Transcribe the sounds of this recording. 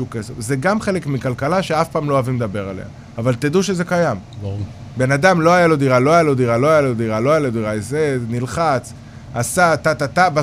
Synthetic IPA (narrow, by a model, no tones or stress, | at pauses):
ukesefzeɡamχe̞le̞kmikalkalaʃeafpaːmloavimd̪abe̞ʁalḛa̰ːvalt̪id̪uʃeze̞kajamb | be̞nad̪amlo̞ajalo̞d̪iʁalo̞ajalo̞d̪iʁalo̞ajalod̪iʁaloajalod̪iʁaezenilχat͡s | asat̪at̪at̪aba